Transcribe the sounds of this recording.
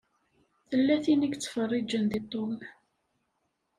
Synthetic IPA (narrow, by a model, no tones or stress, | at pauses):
θəlːæθinəɡt͡sːə̥fərˤːid͡ʒənðit̪ˤːoln